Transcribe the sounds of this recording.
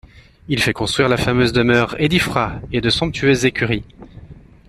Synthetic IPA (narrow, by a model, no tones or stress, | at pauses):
ilfɛkɔ̃st̪χɥiʁlafamøzd̪əmœʁed̪ifχaed̪əsɔ̃p̚t̪ʰyøzːekʲyʁi